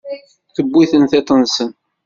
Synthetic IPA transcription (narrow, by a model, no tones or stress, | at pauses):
θəbːiθənθet̪ˤənsən